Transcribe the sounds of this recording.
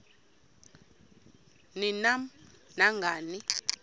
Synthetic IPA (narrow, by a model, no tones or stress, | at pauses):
ninam | naŋɡʱaːni